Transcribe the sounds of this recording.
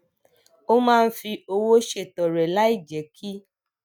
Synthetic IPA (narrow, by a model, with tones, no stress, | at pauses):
o˦mãː˦˧n̩˦fi˧o˧wo˦ʃe˦˨tɔ˨ɾɛ˨la˦i˦˨d͡ʒɛ˨˦kʰi˦